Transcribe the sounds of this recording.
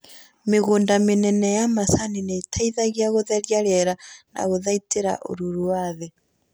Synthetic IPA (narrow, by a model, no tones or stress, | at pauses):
meɣoːndamenɛnɛjamasaninetʰaiðaɣiaɣoðɛɾjaɾɛɾana̰ɣoðaiteɾa̰ʔo̰ɾuɾuwaðe